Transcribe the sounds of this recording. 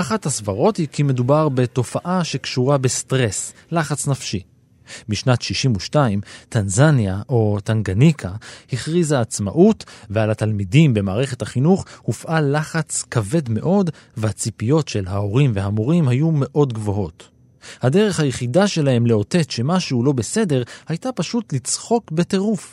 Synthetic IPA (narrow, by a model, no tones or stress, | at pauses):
aχathasvaʁo̞thikime̞dubaʁbe̞to̞faʔaʃe̞kʃuʁabestʁe̞slaχat͡snafʃi | biʃnatʃiʃimuʃtaimtanzanjaʔo̞taŋɡanikʰahiχʁizaːt͡sma̰ʔutvealatalmidimbe̞maːʁe̞χe̞thaχinuχhufʔalaχat͡skave̞dme̞ʔo̞d | vehat͡sipijo̞tʃe̞lɦao̞ʁimveɦamoʁimhajume̞ʔo̞dɡvo̞ɦo̞t | hade̞ʁe̞χhajeχidaʃe̞lahe̞mle̞o̞te̞tʃe̞maʃehulo̞be̞se̞de̞ʁhajtapaʃutlit͡sχo̞kbe̞te̞ʁuf